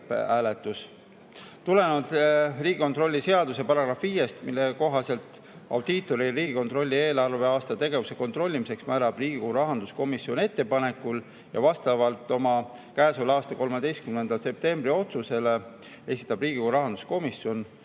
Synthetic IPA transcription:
æːlet̪ːˑus | t̪ule̞nɑd̪riːɡ̥ikot̪ro̞lʲːise̞ɑd̪use̞pɑɾɑɡ̥ɾɑfːiːje̞st̪milːe̞ko̞ɦɑse̞lt̪ | ɑ̰wd̪̥it̪ːˑo̞ɾiriːɡ̥iko̞nt̪ro̞lʲːie̞ːlɑrve̞ɑːst̪ɑt̪e̞ɡe̞vuse̞ko̞nt̪ro̞lʲːimise̞ksmæːɾɑb̥riːɡ̥ioɾɑɦɑnd̪̥usko̞misio̞ne̞t̪ːe̞pɑne̞kul | jɑ̰vɑst̪ɑvɑlt̪ːˑo̞mɑkæːsulɑːst̪ɑko̞lmed̪e̞jst̪kymnend̪ɑlse̞p̚t̪e̞mb̥ɾio̞t̪suse̞le | e̞sit̪ːˑɑb̥riːɡ̥ioɾɑɦɑnd̪̥u̥sko̞misjo̞n

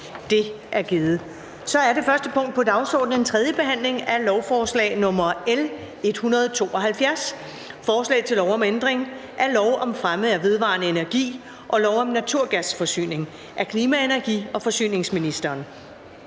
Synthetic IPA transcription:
d̥e̝ | ʔæɐɡ̥iːð̩ˠ | sɒ̽æɐɾe̝fɶɐsd̥əpʰɔ̽ŋ̰d̥̚pʰɒ̽d̥ɑ̈ʊsɒ̰ːd̥̚n̩ent͡sʰʁɛð̞ˠjəb̥e̝ɦæn̰le̝ŋæɐlɒʊfɒːslɛ̰ːɪnɔ̽mɐel | e̝d̥hunɐð̞ˠt͡sʰo̝̰ːʔɒ̽ɦælfjæɐs | fɒːslɛ̰ːɪt͡sʰe̝lɒʊɒ̽mend̥ʁeŋ | ʔæɐlɒʊʔɒ̽mfʁamð̩ˠæʋe̝ð̞ˠʋɑ̰̈ːnəe̝næɐɡ̥ḭː | ʔɒ̽lɒʊɒ̽mnæt͡sʰuɐ̰ɡ̥æsfɒ̽sy̰ːne̝ŋ | ʔæɐkʰliːmæenæɐɡ̥ḭːɒ̽fɒ̽sy̰ːne̝ŋsminisd̥ɐːn

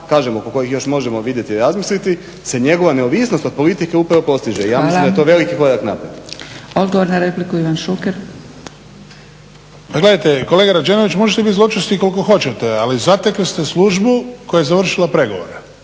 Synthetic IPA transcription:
kaːʒemokoko̞jixjo̞ʃmo̞ʒemoʋid̪je̞t̪iiɾazmislit̪i | se̞ɲe̞ɡo̞ʋaneoʋisnost̪o̞d̪̚po̞lit̪ike̞upɾaʋopo̞st̪iʒeijaːmislimd̪ajt̪oʋe̞likiko̞ɾaknapɾet̪od̪ɡoʋoɾnaɾeplikuiʋanʃukeɾ | paɡle̞d̪ajt̪ekoleːɡaɾad͡ʒeno̞ʋit͡ɕmo̞ʒet̪ebit̪zlot͡ʃost̪iko̞lˠiko̞xo̞t͡ɕe̞t̪e̞alizat̪ekʋist̪esluʒbuko̞jajezaʋr̩ʃilapɾe̞ɡo̞̰ʋo̞̰ɾe

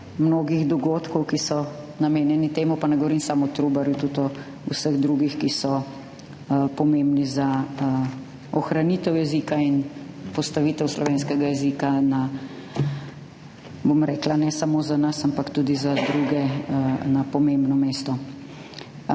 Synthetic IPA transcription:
mnoːɡiɣd̪ɔɡoːt̪kɔwkisɔ | nameːnjɛnit̪eːmɔpanɛɡɔʋɔɾimsamɔt̪ɾubaɾjut̪ut̪ɔ | usəɣd̪ɾuɡixkisɔ | pɔmẽmbniza | ɔxɾaniːt̪ɛwjɛzikain | pɔst̪aʋiːt̪ɛwslɔʋeːnskɛɡajɛziːkana | bomɾɛːklanɛsamoːzanɐsampakt̪ud̪izad̪ɾuɡɛnapɔmembnɔmeːst̪ɔ

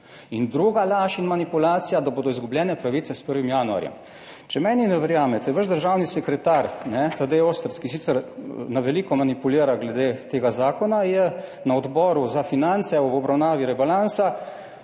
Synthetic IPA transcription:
ind̪ɾuːɡalaːʃinmanipulaːt̪sijad̪aboːd̪ɔizɡublʲjɛːnɛpɾaʋiːt̪sɛspəɾʋimjaːnua̰ɾjɛ̰m | t͡ʃɛmɛːninɛʋɛɾjaːmɛt̪ɛʋəʒd̪əɾʒaːwnisɛkɾɛt̪aɾnɛt̪ad̪eoːst̪ɾskisiːtsɛɾnaʋɛliːkɔmanipuliːɾaɡlɛd̪eːt̪eːɡazaːkɔnajɛnaɔd̪bɔːɾuzafinant̪sɛɔɔbɾawnaːʋiɾɛbalansa

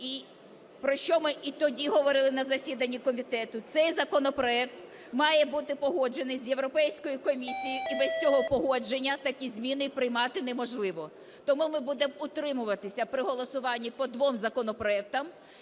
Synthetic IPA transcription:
i | pɾɔʃt͡ʃɔmɪʔit̪ɔdʲiɦɔʋɔɾɪlˠɪnɐzɐsʲid̪ɐnʲːikɔmʲit̪ɛt̪ʊt̪sɛjzɐkɔnɔpɾɔɛk̚t̪ | mɑjɛbut̪ɪpɔɦɔd͡ʒe̞nɪjzʲje̞wɾɔpɛjsʲkɔjʊkɔmʲisʲijiibɛsʲt͡sʲɔɦɔpɔɦɔd͡ʒenʲːɐt̪ɐkʲizʲmʲinɪpɾɪjmɑt̪ɪnemɔʒlˠɪʋɔ | t̪ɔmumɪbud̪emʊt̪ɾɪmʊʋɐt̪ɪsʲɐpɾɪɦɔlˠɔsʊʋɑnʲːipɔd̪ʋɔmzɐkɔnɔpɾɔɛk̚t̪ɐm

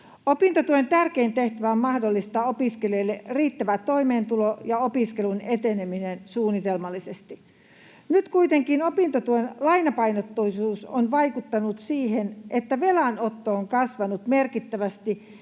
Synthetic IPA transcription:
opint̪ot̪uent̪ærkeint̪eht̪æʋæommɑhdolːist̪ɑːopiskelioilːeriːt̪ːæʋæt̪oimeːnt̪ulojɑopiskelunet̪eneminensuːnːˑit̪elmɑlːˑisest̪i | nyt̪kuit̪eŋkinopint̪ot̪uenlɑinɑpɑinot̪ːoisuːsonʋɑikut̪ːɑnut̪siːhenʔet̪ːæʋelænot̪ːooŋkɑsʋɑnut̪merkit̪ːæʋæst̪i

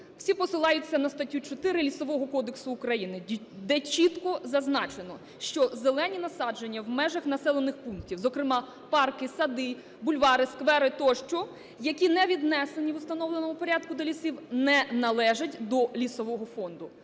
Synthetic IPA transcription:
wsʲipɔsɪlˠɑjʊt͡sʲːɐnɐst̪ɐtʲut͡ʃɔt̪ɪɾɪlʲisɔʋɔɦɔkɔd̪eksʊːkɾɐjinɪd̪ɛt͡ʃit̪kɔzɐznɑt͡ʃenɔ | ʃt͡ʃɔzelˠɛnʲinɐsɑd͡ʒenʲːɐwmɛʒɐxnɐsɛlˠenɪxpunk̚tʲiwzɔkɾɪmɑ | pɑrkɪsɐd̪ɪ | bʊlʲʋɑɾɪskʋɛɾɪt̪ɔʃt͡ʃɔ | jɐkʲinɛʋʲid̪nɛsenʲiʋʊst̪ɐnɔwlˠenɔmʊpɔɾʲad̪̚kʊd̪ɔlʲisiwnɛnɐlˠɛʒɐtʲd̪ɔlʲisɔʋɔɦɔfɔnd̪ʊ

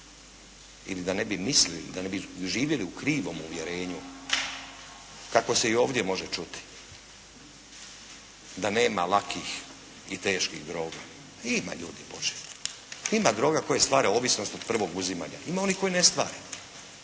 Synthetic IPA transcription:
ḭlid̪ane̞bimislilḭd̪ane̞biʒiːʋjeliukɾiːʋo̞muʋjeɾe̞ːɲu | kako̞se̞io̞ːʋd̪jemo̞ʒet͡ʃut̪i̥ | d̪ane̞ːmalakʰix | ḭt̪e̞ːʃkiɣd̪ɾo̞ːɡa | ima̰ʎuːd̪ipo̞t͡ʃe̥ | imad̪ɾo̞ːɡako̞jest̪ʋaːɾeo̞ːʋisno̞st̪o̞d̪̥̚pr̩ʋo̞ɡuzima̰ɲa̰imao̞nihko̞jinest̪ʋa̰ːɾe

